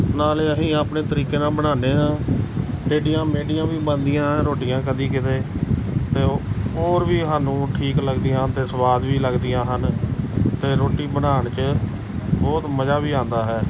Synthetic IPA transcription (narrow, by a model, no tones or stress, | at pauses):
naːleːəɦĩːaːpneːt̪əɾiːkeːnaːbəɽaːneːɦãː | ɾeːɖijãːmeːɖijãːʋiːbənd̪ijãɾoːʈijãːkəd̪iːkɪt̪eːt̪eːoːɾʋiːɦaːnũːʈʰiːkləɡd̪iːjãːt̪eːsəʋaːd̪ʋiːləɡd̪ijãːɦən | t̪eːɾoːʈiːbəɽaːɳt͡ʃə | bɔːt̪məd͡ʒaːʋiːãːnd̪aːɦɛː